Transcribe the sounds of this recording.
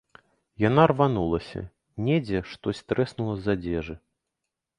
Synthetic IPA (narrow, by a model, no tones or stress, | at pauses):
janarvanulˠɐsʲɐ̰ | nʲɛd͡zʲɛʂt̪ɔsʲt̪ɾɛsnulˠɐzad͡zʲɛʐɨ